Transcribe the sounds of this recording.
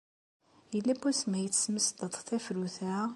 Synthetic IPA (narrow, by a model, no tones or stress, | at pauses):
jəlːæbæsmæjət͡sːsməsd̪ət̪ˤθæfɾuθæ